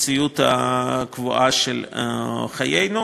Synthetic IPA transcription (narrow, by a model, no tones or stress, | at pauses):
t͡sijut̪ha̰kvuʔaʃel | χajejnu